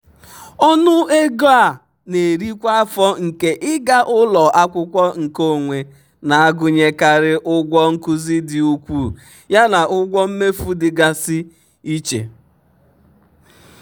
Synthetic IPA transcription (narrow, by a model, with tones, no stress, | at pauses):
ɔ˦nʊ˦e˦ɡo˦a˨ | ne˨ɾi˦kʷa˦a˦fɔ˦ŋ̩˨ke˦ʔɪ˦ɡa˦ʔʊ˦lɔ˨ʔa˦kʷʊ˦kʷɔ˦ŋ̩˨ko˦˨ŋʷe˨ | na˨a˦ɡʊ˦ɲe˦ka˨ɾɪ˦ʔʊ˦ɡʷɔ˦ŋ̩˦kʊ˦zi˦dɪ˨u˦kʷuː˦˨ | ja˦na˨ʔʊ˦ɡʷɔ˦m̩˦me˦fu˦dɪ˨ɡa˨sɪ˦ | i˦t͡ʃḛ˨